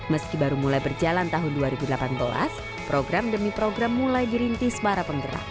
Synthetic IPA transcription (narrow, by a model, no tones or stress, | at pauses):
məskibaɾumulajbərd͡ʒalant̪aɦʊnduaɾibudəlapanbəla̰s | pɾoɡɾamdəmipɾoɡɾamːulajdiɾint̪ɪhsəpaɾapəŋdəɾa̰